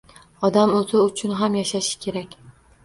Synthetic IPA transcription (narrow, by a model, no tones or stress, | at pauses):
ɒd̪amot̪ʰɪʊt͡ʃʰʊnɦamjaʃaʃɪ̥kʲʰe̞ɾakʲ